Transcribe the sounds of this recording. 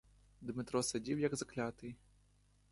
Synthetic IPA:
d̪mɪt̪ɾɔsad͡zʲiwjɐɡzaklʲat̪ɪj

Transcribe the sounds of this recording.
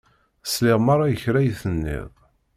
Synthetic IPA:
slɪʁmaɾˤɑjəçɾæjθənːɪ̰ðˤ

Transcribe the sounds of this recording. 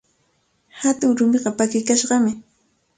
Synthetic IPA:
hat̪ʊŋɾʊmeɢɑpakɪkaʃɢɑmɪ

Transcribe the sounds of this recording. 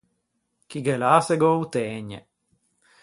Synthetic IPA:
kiɡɛlaːsɛɡout̪ɛːɲɛ̰

